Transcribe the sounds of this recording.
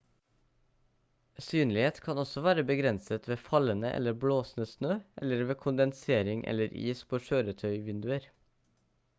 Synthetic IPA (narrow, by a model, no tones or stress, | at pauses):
syːnlɪheːt̪kʰɑnɔsɔʋæːɾəbəɡɾɛnsət̪ʰʋeːfɑlənəʔɛ̰ləbloːsn̩əsnøːɛ̰ləɾʋeːkʰʊnd̪ɛnseːɾɪŋʔɛ̰ləɾʔḭːspʰoːʃøːɾət̪ʰœʏʋɪnd̪ʉəɾ